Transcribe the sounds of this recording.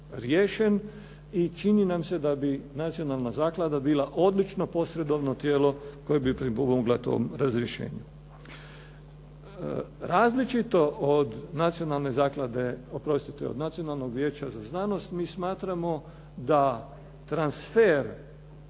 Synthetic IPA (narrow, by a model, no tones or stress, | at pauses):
ɾjeːʃe̞n | it͡ʃininamse̞d̪abinat̪sio̞nalnazaːklˠad̪abiːlˠaʔo̞d̪lit͡ʃno̞po̞sɾe̞d̪o̞ʋnot̪jeːlo̞ko̞jebipɾipomomoɡlat̪o̰mɾazɾjeʃḛːɲu | ɾaːzlit͡ʃit̪o̞ʔod̪nat̪sijo̞nalˠne̞zaːklˠad̪e̞opɾo̞st̪it̪ḛod̪nat̪sionalˠno̞ɡʋjeːt͡ɕazaznaːno̞st̪miːsmaːt̪ɾamo̞ | d̪a | t̪ɾansfeɾ